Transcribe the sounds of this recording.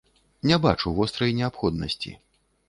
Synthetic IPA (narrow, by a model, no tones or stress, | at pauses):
nʲɛbat͡ʂuvɔst̪ɾɐjnʲɛapxɔd̪nɐ̰sʲt͡sʲḭ